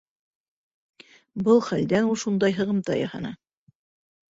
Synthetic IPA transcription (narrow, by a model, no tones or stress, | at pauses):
bɤlˠχæld̪ænulˠʃund̪ɑjɦɤ̆ʁɤ̆mt̪ɑjɑ̰hɑ̰nɑ